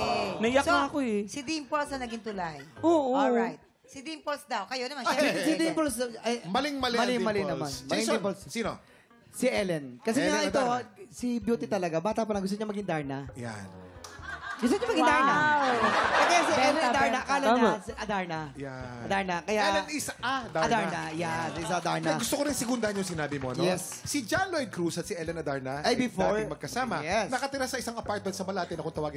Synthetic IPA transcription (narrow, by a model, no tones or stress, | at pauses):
nɐjɐksnaɐkoɛsɪd̪impolsɐnɐɡɪŋt̪ʊlajoːʔoɔajt̪̚ | sɪd̪impolsd̪ɐwkɐjonɐmanssɪd̪impolsɐjmɐlɪŋmɐlmɐlɪmɐlɪnɐmanmɐlɪmpolssiːno | sɪʔɛlɛnkɐsɛɲaʔɛt̪osɪbjuːt̪ɪt̪ɐlɐɡabaːt̪apɐlɐŋɡʊs̬t̪ʊɲɐmɐɡɪŋd̪aɹnɐja̰n | ɡʊst̪oɲamɐɡɪ̃ŋd̪aɹna | ɛt̪ɛsiɛlɛɐd̪aɹnakaːlɐsʔɐd̪aɹnɐjaɐd̪aɹnɐkɐjaɛlɛnɪsʔad̪aɐd̪aɹnɐjanɪsd̪aɹnɡʊst̪okoɾɪnsɪɡʊnd̪aɐnjʊŋsɪnaːbɪmoɐ̰nojɛs | sid͡ʒanlojkɾusɐt̪sɪʔɛlɛnɐd̪aɹnɐʔɐjbɪfoɹmɐɡ̚kɐsaːmɐjɛsnɐkɐt̪ɪɾasɐʔɪsaŋɐpaɹt̪̚mɛnt̪sɐmɐlaːt̪ɛnɐkot̪ɐwaːɡɪ